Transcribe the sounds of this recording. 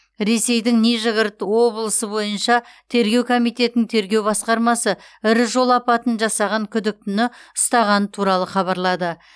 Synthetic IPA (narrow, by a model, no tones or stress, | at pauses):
ɾe̞se̞jd̪ɪŋne̞ʒɪɡəɾt̪əwo̞blˠəsəbo̞jənʃɑt̪ʰe̞ɾɡʲe̞wkʰo̞mijt̪e̞t̪nɪŋt̪ʰe̞ɾɡʲe̞wbɑsqɑɾmɑsəɪɾɪʒo̞lˠɑpɑt̪ənʒɑsɑʁɑŋkʲʰʏd̪ɪk̚t̪ʏnɪʊst̪ɑʁɑnət̪ʰuɾɑlˠəχɑβɑɾlˠɑd̪ə